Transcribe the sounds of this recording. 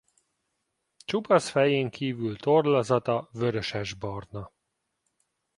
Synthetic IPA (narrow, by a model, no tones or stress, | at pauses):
t͡ʃubɒsfɛjeːŋkʰiːvylt̪orlɒzɒt̪ɒvøɾøʃɛʒbɒrnɒ